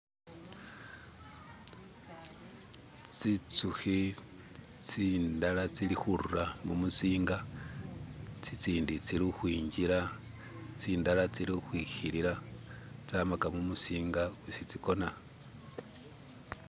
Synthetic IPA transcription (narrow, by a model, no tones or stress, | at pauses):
t͡sit͡suxi | t͡sindalat͡silixuɾuramumusiːŋɡa | t͡sit͡siːndit͡silixwiːɲɟiɾa | t͡siːndalat͡silixwixiɾiɾat͡samakamumusiːŋɡawusit͡siko̞na